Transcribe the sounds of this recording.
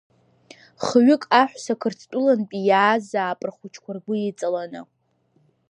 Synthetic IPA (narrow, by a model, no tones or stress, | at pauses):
χəɥɪkʼaħᶣʷsakʰɨrt͡sʰtʼʊlanpʼijaːzaːpʼrχʷʊt͡ʃʰkʷʰarɡʷʊit͡sʼalanɨ